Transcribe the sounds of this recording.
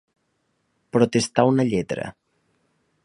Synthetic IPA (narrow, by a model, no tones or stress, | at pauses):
pɾot̪est̪awnəʎɛt̪ɾə̰